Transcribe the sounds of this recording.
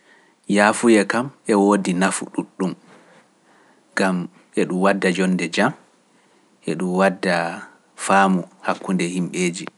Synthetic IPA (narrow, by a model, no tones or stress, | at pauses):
jaːfujɛkamʔɛwoːdinafṵɗuɗːum | ɡam | ɛɗumwadːad͡ʒɔnːdɛd͡ʒam | ʔɛɗumwadːa | faːmuhakːundɛhimɓeːd͡ʒi